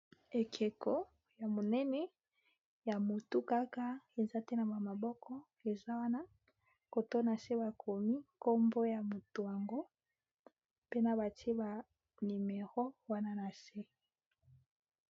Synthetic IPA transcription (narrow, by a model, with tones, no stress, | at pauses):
e˨kʰe˨kɔ˦ | ja˨mo˨nɛ˦nɛ˦ | ja˨mo˨tu˦ka˦ka˦e˨za˦te˦na˨ba˨ma˨bɔ˦kʰɔ˦ | e˨za˦wa˦na˦ | ko˨to˦na˨se˦ba˨kʰo˨mi˦ko˦mbo˦ja˨mo˨to˨ja˨ŋɡo˦ | pe˦na˨ba˨te˦ba˨ | ni˨me˨ʁo˦wa˦na˦na˨se˦